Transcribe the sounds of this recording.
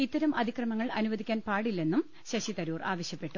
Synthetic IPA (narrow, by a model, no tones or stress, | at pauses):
it̪ːɐɾɐmɐd̪ʱikrɐmɐŋːɐɭɐnuʋɐd̪ikʲːaːnpaːɽilːe̞nːum | ɕɐɕit̪ɐɾuːra̰ːʋɐɕjɐpːe̞ʈːu